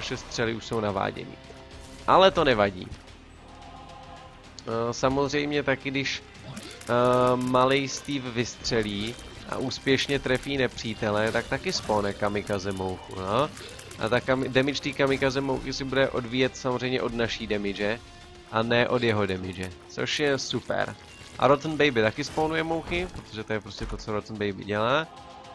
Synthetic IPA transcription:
aʃɛst̪r̝̥ɛlɪuʃso̞wnava̰ːɟɛ̰nḭː | ʔalɛt̪o̞nɛvaɟḭː | samo̞zr̝ɛjmɲɛt̪akɪdɪʃ | malɛjst̪iːfvɪst̪r̝̥ɛliːʔa̰ʔuːspjɛʃɲɛt̪ɾɛfiːnɛpr̝̥iːt̪ɛlɛt̪ak̚t̪akɪsponɛkamɪkazɛmowxṵno | ʔa̰t̪akamɪdɛmɪt͡ʃt̪iːkamɪkazɛmo̰wxɪsɪbudɛʔo̞dviːjɛt̪samorɛjmɲɛ̰ʔo̞dnaʃiːdɛmɪd͡ʒɛ | ʔanɛʔo̞djɛɦo̞dɛmɪd͡ʒɛt͡so̞̰ʃjɛsupɛ̰ɾ | ʔa̰ɾot̪n̩bɛjbɪt̪akɪspoːnujɛmo̞wxɪpɾot̪oʒɛt̪ojɛpɾoscɛt̪o̞t͡so̞ɾot̪n̩bɛjbɪ̰ɟɛlaː

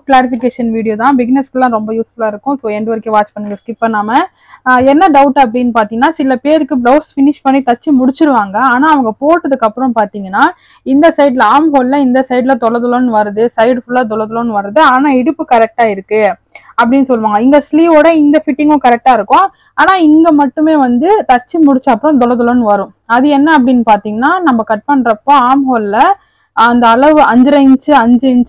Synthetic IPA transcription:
klaːɾɪfɪkeːʂɐnʋiːɽɪjoːt̪ãːbɪɡɪnɛskɯlːãːɾɔmbɐjuːsfʊlaːɪɾɯkːʊ̃soːɛɳɖʋɐɾkeʋaːt͡ʃpɐɳːɯŋɡɐskɪpːɐnːaːmɐ | ɛnːɐɖɐʊʈːɐp̬ːɐɽɪnːɯpaːɾt̪iːŋɡɐnːaːsɪlɐpeːɾɯkːɯblɐʊsfɪnɪʂpɐɳːit̪ɐt͡ʃːimʊɽɪt͡ʃːɯɾɯʋaːŋɡɐaːnaːɐʋɐŋɡɐpoːʈːɐðɯkːɐpːɯɾɐ̃mpaːɾt̪iːŋɡɐnːaː | ɪnd̪ɐsɐɪɖlɐaːmɦoːllɐɪnd̪ɐsɐɪɖlɐt̪ɔɽɐɾðɐlõnɯʋɐɾɯðɯsɐɪɖfʊlaːt̪ɔɭɐðɐlõnɯʋɐɾɯðɯaːnaːɛɽɯpːɯkɐɾɛk̚ʈaːɪɾɯkːɯ | ɐpːɐɽɪnːɯsɔlːʋaːŋɡɐɪŋɡɐsliːʋoːɽɐɪnd̪ɐfɪʈːɪŋɡʊ̃kɐɾɛk̚ʈaːɪɾɯkːʊ̃ | aːnaːɪŋɡɐmɐʈːɯmeːʋɐnd̪ɯt̪ɐt͡ʃːimʊɽɪt͡ʃːɐɐpːɯɾɔ̃t̪̬ɔlɐðɐlõnɯʋɐɾʊ̃ | ɐðɯɛnːɐːp̬ːɐɽɪnːɯpaːɾt̪iːŋɡɐnːaːnɐmːɐkɐʈ̚pɐɳːɾɐpːoːaːmɦoːllɐ | ɐnd̪ɐːɭɐʋɯʔɐɲd͡ʒɯɾɐɪɲt͡ʃːɯɐɲd͡ʒɪɲt͡ʃ

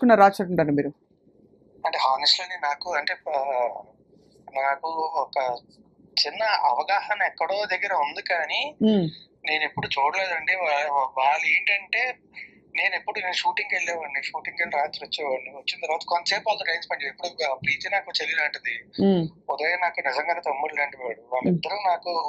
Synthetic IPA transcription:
kunːɐɾaːt͡ʃɐʈuɳʈaːnumiːɾu | ɐɳʈeːɦaːnɐsʈlɐninaːkuɐɳʈe̞ː | naːkuɔkɐ | t͡ʃinːɐɐʋɐɡaːhɐnɐɛkːɐɽo̞ːd̪ɐɡːɐɾɐund̪ukaːniː | ne̞ːnepːuɽut͡ʃoːɽɐleːd̪ɐɳɖiʋaːɭːeːɳʈɐɳʈe̞ː | ne̞ːnepːuɽuneːnʃuːʈiŋɡeɭːeːʋɐɳɖiʃuːʈiŋkelɾaːt̪iɐt͡ʃːɐɐt͡ʃːint̪ɐɾʋaːt̪ɐkonːt͡ʃeːpːaːld̪ɐʈɐjnspɐɳʈiepːuɽupɾiːt̪inaːkut͡ʃelinɐːɳʈɐd̪i | ɔd̪ɐjanaːkunizɐŋɡaːnet̪omːiɽlɾɐɳɖiʋaːɽuʋaːɭːid̪ːɐɾuːnaːku

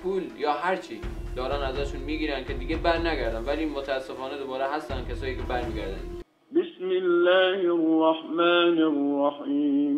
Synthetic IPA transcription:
pʰuːljɒːɦæɾt͡ʃʰiːd̪̥ɒːɾæːnæzɒːʃunmiːɡiːɾænd̪̚kʰe̞d̪iɡebæɾnæɡæɾd̪ænvælimot̪ʰæːsːefɒːned̪obɒːɾeɦæst̪æn̥̚kʲʰesɒːjiːkʲʰebæɾmiːɡʲæɾd̪æ̰n | bɪsmɪlːaːhɪrːɑħmaːnɪrːɑħiːm

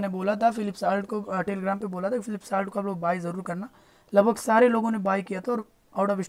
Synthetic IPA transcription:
neboːlat̪ʰafɪlɪpsaːlʈ̚koʈeːliːɡɾaːmpeboːlat̪ʰakifɪlɪpsaːlʈkoɐploːɡ̚baːizɐɾuːɾkɐɾna | lɐɡbʱəɡsaːɾeloːɡõnebaːjkijat̪ʰaɔːɾ | aːʈoʋɪʃ

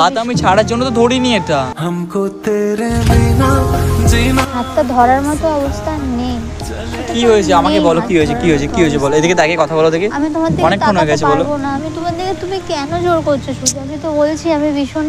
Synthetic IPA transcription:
at̪amit͡ɕʰaɽaɾd͡ʑonːot̪od̪ʱoɽinieʈahamkot̪eɾebinad͡ʑinʱat̪ːad̪ʱɔɾaɾmɔt̪oɔbost̪ʰanːe | kiɦojet͡ɕʰeamakebɔlokiɦojet͡ɕʰekiɦoet͡ɕʰekiɦoet͡ɕʰebɔloed̪iket̪ɛkekɔt̪ʰabɔlod̪ekeamit̪omaɾd̪iɔnek̪aonoeɡɛt͡ɕʰebɔlobonaamit̪omad̪iɡet̪umikɛnod͡ʑoɾkoɾt͡ɕʰoʃuamit̪obolt͡ɕʰiamibiʃon

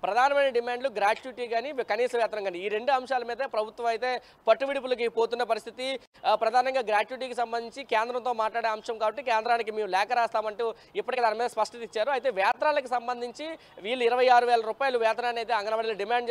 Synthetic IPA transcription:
pɾɐd̪ʱaːnɐmɐjnɐɖimaːɳɖluɡɾaːʈuuʈiːkaːnikɐniːsɐmʋjaːt̪ɾɐŋkaːnɖiiːɾe̞ɳɖuɐmʂaːlɐmiːd̪ɐpɾɐbʱut̪ʋɐmɐjt̪e̞ː | pɐʈːuʋiɽip̬ulɐk̬ipoːt̪unːɐpɐɾist̪ʰit̪i | pɾɐd̪ʱaːnɐŋɡaːɡɾaːt͡ʃuuʈ̬iːkisɐmbɐnd̪ʱiɲt͡ʃikeːnd̪ɾɐnt̪o̞ːmaːʈlaːɽeːɐmʂɐmkaːbɐʈːikeːnd̪ɾaːnik̬imeːmulɛːkɐɾaːst̪aːmɐɳʈu | ipːɐʈikɐd̪aːnimiːd̪ɐspɐʂʈɐt̪it͡ʃːaːɾuɐjit̪e̞ːʋjaːt̪ɾaːlɐk̬isɐmbɐnd̪ʱiɲt͡ʃi | ʋiːluiɾɐʋɐjaːɾuʋɛːlɐɾuːpaːjɐluʋjaːt̪ɐnaːnɐjt̪eːɐŋɡɐɾɐʋɐɽilɐɖimaːɳɖ

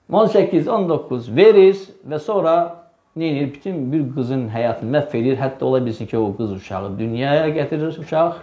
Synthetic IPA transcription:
o̞nsæcʰːizo̞nd̪o̞kʰːuzveɾizvæsoɾɑ | neniɾbi̥t̪ʰymbiɾɡɯzɯnɦæjɑːt̪ʰɯnɯmæfːe̞ɾiɾɦæt̪ːɑo̞lˠɑbilsincʰioɡɯzuʃɑ̰ʁɯd̪ynjɑːjɑɟæt̪ʰiɾiɾuʃɑχ

